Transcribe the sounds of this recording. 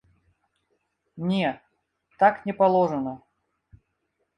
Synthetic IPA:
nʲe | t̪aknʲɪpɐlˠoʐɨnə

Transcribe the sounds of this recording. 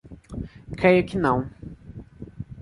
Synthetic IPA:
kɾejʊkɪnɐ̃w̃

